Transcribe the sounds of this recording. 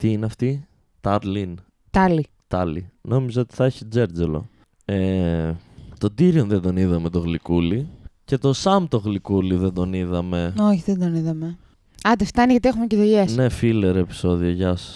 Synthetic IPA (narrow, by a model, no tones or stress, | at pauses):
t̪iineɐft̪i | t̪ɐɾlin | t̪ɐli | t̪ɐlino̞mizeo̞t̪i̥θɐeçid͡zeɾd͡zelo̞̰ | e | t̪o̞d̪iɾionðend̪o̞niðɐme̞t̪o̞ɣlikulice̞t̪o̞sɐmt̪oɣlikuliðend̪o̞niðɐme̞oçiðend̪oniðɐme | ɐt̪eft̪ɐniʝɐt̪iexumeceðoʝesne̞file̞ɾe̞pi̥so̞ðioʝɐs